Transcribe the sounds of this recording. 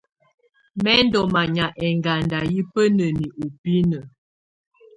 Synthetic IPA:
mɛ˦n˦dɔ˨ma˨ɲa˨ʔɛ˨ŋɡa˨nda˨ji˦pə˦nə˨ni˨ʔu˨pi˦nə˨

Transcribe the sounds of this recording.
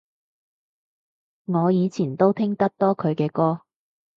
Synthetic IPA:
ŋɔː˨˧jiː˨˧t͡sʰiː˨˩nt̪o˥wt̪ʰɪ˥ŋt̪ɐ˥k̚t̪ɔː˥kʰɵ˨˧ɥkɛː˧kɔː˥

